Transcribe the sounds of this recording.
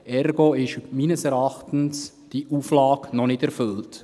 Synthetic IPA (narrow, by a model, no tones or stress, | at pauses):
ɛrɡoɪʃmiːnəsɛɾɑχtən̩s | d̥iʔuːflɑːknɔnɪtɛɾfʏlt